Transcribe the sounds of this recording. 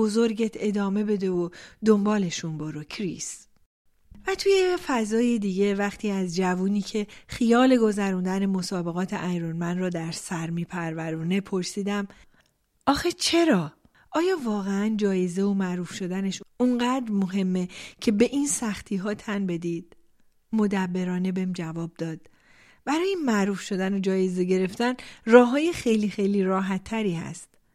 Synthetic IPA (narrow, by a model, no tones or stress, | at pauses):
bo̞zo̞ɾɟet̪ʰe̞d̪ɒːme̞be̞d̪e̞od̪ombɒːle̞ʃunboɾocʰɾis | væt̪ʰuːjefæzɒːjed̪iːɟe̞væxt̪ʰiːæzd͡ʒævuːniːcʰe̞xijɒːle̞ɡo̞zæɾuːnd̪æne̞mo̞sɒːbe̞ɣɒːt̪ʰeʔæjɾonmænrɒːd̪æɾsæɾmiːpʰæɾvæɾuːne̞pʰo̞ɾsiːd̪æm | ʔɒːxet͡ʃʰe̞ɾɒː | ʔɒːjɒːvɒːɣeænd͡ʒɒːjeze̞omæʔɾuːfʃo̞d̪æneʃuɴɢæd̪ɾmoɦe̞mːe̞cʰe̞be̞ʔinsæxt̪ʰiːɦɒːt̪ʰænbe̞d̪id̪̥̚ | mo̞d̪æbːe̞ɾɒːne̞bemd͡ʒævɒːb̚d̪ɒːd̪̥̚ | b̥æɾɒːjemæʔɾuːfʃo̞d̪æno̞d͡ʒɒːje̞ze̞ɟe̞ɾe̞ft̪ænrɒːɦɒːjexejlixejliːɾɒːɦæt̪ʰːæɾiːhæ̰st̪